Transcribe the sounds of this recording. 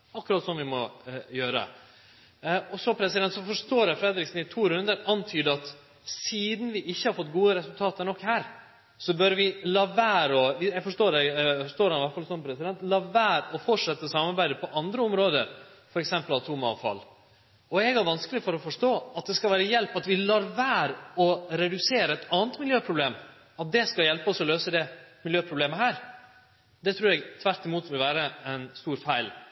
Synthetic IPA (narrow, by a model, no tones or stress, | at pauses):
ɑkːɾɑːt̪sɔmʋɪmɔjøːɾə̰ | ɔsɔpʰɾɛsɪd̪ɛnt̪sɔfɔʂt̪oːɾɛfɾɛd̪ɾɪksn̩ɪt̪ʰuːɾʉnd̪əɾɑnt̪ʰyːd̪əɑt̪ | siːd̪n̩ʋɪʔɪçːəhɑɾfɔt̪ːɡuːəɾɛsʉlt̪ʰɑːt̪əɾɳɔkhæːɾ | sɔbœɾʋɪlɑʋæːɾɔʋɪjæfɔʂʈoːɾɛfɔʂʈtoːɾhɑnɪʋæʈfɑlsɔmpʰɾɛsɪd̪ɛnt̪lɑʋæːɾɔfɔʈʂɛt̪ːəsɑmɑɾbæɪd̪əpʰɔʔɑnd̪ɾəʊmɾoːd̪ə̰ɾ | fɔɾɛksɛmpəlɑt̪ʰuːmɑɑ̰ʋfɑ̰lː | ɔɛɡæɾʋɑnskəlɪfɔɾɔfɔʂʈoːɑt̪̚d̪ɛskɑʋæːɾəjɛlpɑt̪ʋɪlɑɾʋæːɾɔɾɛd̪ʉseːɾəɛt̪ɑːnət̪mɪljøːpʰɾʊbleːm | ɑt̪̚d̪ɛskɑljɛlpəɔsɔløːsəd̪ɛmɪljøːpʰɾʊbleːməɦæːɾ | d̪ɛt̪ʰɾʉːɾɛɡt̪ʰʋæɾʈ̪ɪmuːt̪ʋɪlʋæːɾəɛnst̪uːɾfæɪl